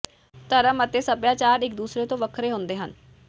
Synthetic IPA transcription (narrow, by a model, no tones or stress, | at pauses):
t̪əɾəmət̪eːsəpjãːt͡ʃaːɾɪk̚d̪uːsɾeːt̪õːʋəkʰɾeːɦõnd̪eːɦən